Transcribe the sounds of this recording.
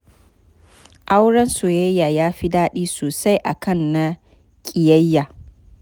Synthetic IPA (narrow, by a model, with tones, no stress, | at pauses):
ʔa˦wɽɐ˦nsoː˨jɐ˦jːaː˨jaː˦ɸi˦daː˦ɗiː˦soː˨sa˦jʔa˨kɐ˦˨nːa˦ | kʲʼɪ˨jɐ˦jːaː˨